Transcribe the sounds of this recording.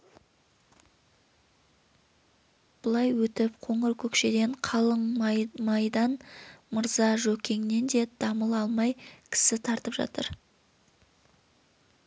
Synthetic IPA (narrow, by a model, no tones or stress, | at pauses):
b̥ʊlˠɑjwɵt̪ɪp̚qʰo̞ɴəɾkʲʰɵkʃe̞d̪e̞ɴqʰɑlˠəɴmɑjd̪ɑnməɾzɑʒɵkʲʰe̞ŋne̞nd̪e̞d̪̥ɑməlˠɑlˠmɑjkʲʰɪ̥sɪt̪ʰɑɾt̪əpʒɑ̰t̪əɾ